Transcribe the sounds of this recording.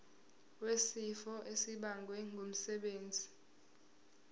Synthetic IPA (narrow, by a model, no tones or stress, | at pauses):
wesifɔʔesiɓaŋɡʱwɛŋɡʱom̩sɛɓeːnd͡zʱi